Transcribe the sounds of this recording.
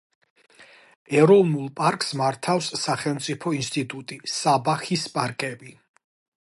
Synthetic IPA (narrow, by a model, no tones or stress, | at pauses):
ɛɾɔvnulˠpʼaɾkʼsmaɾt̪ʰafsːaχɛlˠmt̪sʼipʰɔinst̪ʼit̪ʼut̪ʼisabaxispʼaɾkʼɛbi